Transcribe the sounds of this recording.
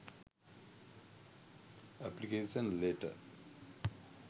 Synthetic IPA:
æplikeːsə̃nleːʈə̰

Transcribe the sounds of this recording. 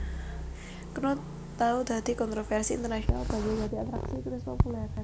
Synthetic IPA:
kəno | t̪aud̪̥a̤d̪̥i̤kɔnt̪ɾofɛrsiḭnt̪ərnaʃiɔnalb̥ad͡ʒad͡ʒad̪iat̪ɾaksikuɾɪspopulɛr

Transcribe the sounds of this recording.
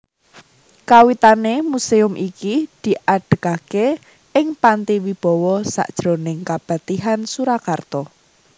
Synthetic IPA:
kawit̪anemuseʊmʔikid̪̥i̤ʔaɖ̥ə̤kake | ɪŋpant̪iwib̥ɔ̤wɔsa̰ʔd̥ʒ̥ɾonɪŋkab̥a̤t̪iɦansuɾakart̪ɔ

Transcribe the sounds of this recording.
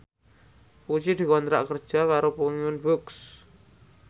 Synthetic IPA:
put͡ʃid̪̥i̤kɔnt̪ɾa̰ʔkərd̥ʒ̥a̤kaɾopuŋiʊnbuks

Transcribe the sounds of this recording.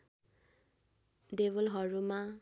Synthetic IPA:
deβɔlɦɔɹuma

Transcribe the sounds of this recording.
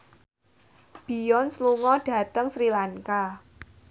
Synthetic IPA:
b̥i̤jɔnsluŋɔɖ̥ä̤t̪əŋsɾilaŋka

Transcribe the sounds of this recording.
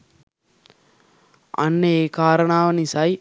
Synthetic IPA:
ɐ̰nːeeːkaːɾɐɳaːʋɐnisaːj

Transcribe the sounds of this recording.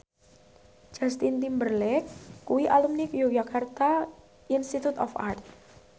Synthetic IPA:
d͡ʒ̥ast̪int̪imbərlɛkːuwiʔalumnikjod͡ʒakart̪a | inst̪it̪ut̪ɔ̰fa̰rt̪̚

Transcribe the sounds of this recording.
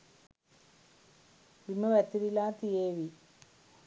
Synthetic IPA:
pimːuʋɐt̪ːiɾilaːt̪ijeːʋi

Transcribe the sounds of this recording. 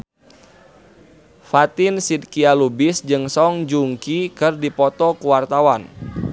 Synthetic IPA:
fat̪ɪnsid̪̚kialubɪsd͡ʒɨŋsɔŋd͡ʒuŋkikɨrdipɔt̪ɔkuwart̪awan

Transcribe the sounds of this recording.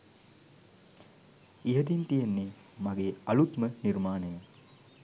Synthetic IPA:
iɦət̪int̪ijenːe | maɡeːɐlut̪məniɾmaːnəja

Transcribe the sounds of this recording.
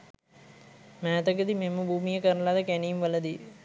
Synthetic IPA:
mæːt̪əkəd̪imemːəbʱuːmijəkəɾəlad̪əkæniːmʋələd̪i

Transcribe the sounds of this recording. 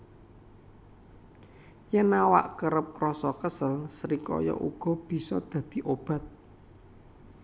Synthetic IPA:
jənawa̰ʔkəɾəp̚krɔsɔkəsəlsəɾikɔ̰jɔ̰ʔuɡ̥ɔ̤b̥i̤sɔd̪̥ä̤d̪̥i̤ʔob̥ä̤t̪̚

